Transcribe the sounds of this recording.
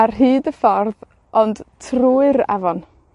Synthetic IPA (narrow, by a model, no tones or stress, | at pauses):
arɦɨːdəfɔrð | ɔnd̥tʰruːɨɾa̰vɔn